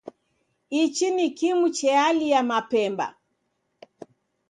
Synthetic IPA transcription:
it͡ʃinikimut͡ʃɛalijamapɛmba̰

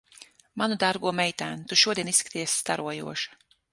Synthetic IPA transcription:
manud̪aɾɡuɔmɛjt̪æːnut̪uʃuɔd̪ʲijɛnisːkḁt̪ijɛsʲst̪aɾuɔjṵɔʃḁ

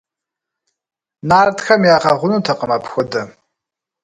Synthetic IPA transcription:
naːrtʰxʰamjaqaʁʷʊnutʰaqʼəmapʰxʷada

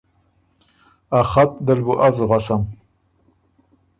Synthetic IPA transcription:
aχat̪̚d̪əlbuʔazɣasam

